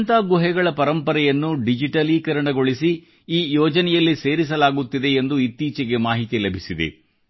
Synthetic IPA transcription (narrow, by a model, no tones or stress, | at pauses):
nt̪aːɡuɦɛɡɐɭɐpɐɾɐmpɐɾɛjɐnːuɖid͡ʒiʈɐlikɐɾɐɳɐɡo̞ɭisi | iːjɔːd͡ʒɐnɛjɐlːise̞ːɾis̬ɐlaːɡut̪ːid̪e̞ːnd̪uit̪ːiːt͡ʃɛɡe̞maːɦit̪ilɐbʱisid̪ḛ